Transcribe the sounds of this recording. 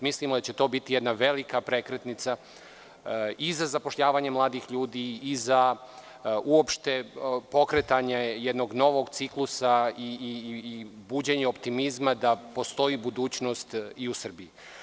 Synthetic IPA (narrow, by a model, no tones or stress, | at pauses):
mislimod̪at͡ɕe̞t̪o̞ːbit̪ijed̪naʋe̞likapɾe̞kɾet̪nit̪sa | izazapo̞ʃʎaːʋaɲe̞mlˠaːd̪ixʎuːd̪iːza | uo̞pʃt̪e̞po̞kɾet̪aɲejed̪no̞ɡno̞ʋo̞ɡt̪siklˠusai | buːd͡ʑeɲeopt̪imizmad̪apo̞st̪o̞iːbud̪uːt͡ɕno̞st̪iusr̩biji